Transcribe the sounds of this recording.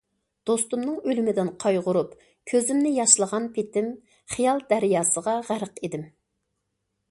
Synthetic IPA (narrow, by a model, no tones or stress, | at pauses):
d̪̥ost̪umnɨŋølymɪd̪ɪnqʰɑjʁʊɾup | kʲʰøzɪmnɪjɑʃlˠəʁɑnpʰet̪ɪm | χijɑlˠd̪æɾijɑːsəʁɑʁæɾəqed̪ɪm